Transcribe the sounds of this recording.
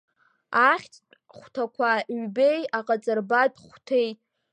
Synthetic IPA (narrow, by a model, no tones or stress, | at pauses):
aχʲt͡sʰʼ | χʷtʰakʷʰaɥbejaqʼat͡sʼarbadʼχʷtʰej